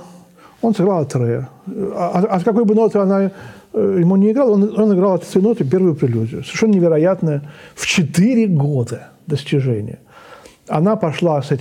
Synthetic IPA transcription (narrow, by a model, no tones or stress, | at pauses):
o̞nsɨɡɾalˠɐt̪ɾɛ | ɐskɐko̞jbɨno̞t̪ɨɐna | jɪmunʲɪːɡɾalˠononɨɪɡɾalˠɐt̪t̪ʲɪnot̪ɨpʲe̞rvəjʊpɾʲɪlʲuzʲɪjʊsəvʲɪɾrʂɛnənɪvʲɪɾɐjat̪nəəft͡ɕɪt̪ɨɾʲɪɡod̪əd̪əsʲtʲɪʐɛnʲɪ̰jə | ɐnapɐʂlˠasɛtʲ